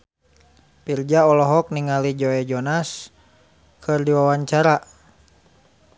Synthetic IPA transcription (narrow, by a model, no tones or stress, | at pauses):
pird͡ʒaɔlɔɦɔk̚niŋalid͡ʒɔɛd͡ʒɔnas | kʰɨrdiwawaɲt͡ʃaɾa